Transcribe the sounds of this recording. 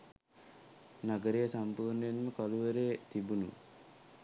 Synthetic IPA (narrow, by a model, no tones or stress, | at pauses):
naɡəɾejəsampuːrnəenməkɔluʋəɾeːt̪ibunṵ